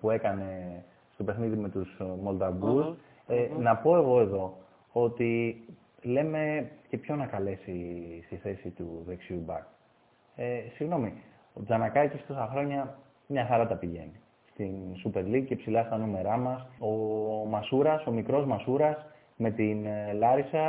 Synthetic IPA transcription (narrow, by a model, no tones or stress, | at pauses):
pue̞kɐne̞ | st̪o̞pe̞xniðime̞t̪usmo̞ld̪ɐvus | enɐpo̞e̞ɣo̞e̞ðo̞ | o̞t̪i | le̞me̞ce̞pço̞nɐkɐle̞sist̪iθe̞sit̪uðe̞ksiubɐ̰k | esiɣno̞mi | od͡zɐnɐkɐicest̪osɐxɾo̞ɲɐ | mɲɐxɐɾɐt̪ɐpiʝe̞̰ni | st̪insupe̞ɾliɡcepsilɐst̪ɐnume̞ɾɐmɐso̞mɐsuɾɐso̞mikɾo̞zmɐsuɾɐs | me̞t̪inlɐɾisɐ